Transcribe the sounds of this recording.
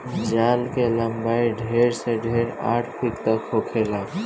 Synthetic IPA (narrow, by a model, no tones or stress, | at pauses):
d͡ʒalkeləmbaiɖʱeɾsẽɖʱeɾa̰ʈʰpʰikt̪əkɦokʰela